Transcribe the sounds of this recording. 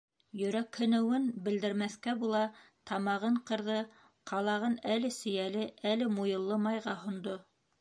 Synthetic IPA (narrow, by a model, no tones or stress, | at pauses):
jɵ̆ɾækhɵ̆nɘ̆wɘnbɘ̆ld̪ɘ̆ɾmæθkæbulˠɑt̪ʰɑmɑʁɤɴqɤ̆ɾðɤ | qʰɑlˠɑʁɤnælɘsɵ̆jælɘælɘmujɤ̆lˠːɤmɑjʁɑhŏnd̪o